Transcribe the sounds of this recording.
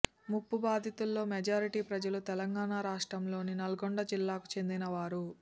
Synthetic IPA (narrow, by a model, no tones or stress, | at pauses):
mupːubaːd̪ʱit̪ulːo̞ːmed͡ʒaːɾiʈiːpɾɐd͡ʒɐlut̪ɛlɐŋɡaːnaːɾaːʂʈɾɐmlo̞ːninɐlɐɡoɳɖɐd͡ʒilːaːku̥t͡ʃe̞nd̪inɐʋaːɾu